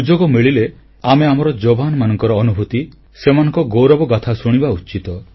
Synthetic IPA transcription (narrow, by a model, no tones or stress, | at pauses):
ud͡ʒoɡɔmiɭile | ameamɔɾɔd͡ʒobʱanɔmanɔŋkɔɾɔːnubʱut̪i | semanɔ̃ŋkɔɡowɾɔbɔɡat̪ʰasuɽ̃ibaut͡ʃit̪ɔ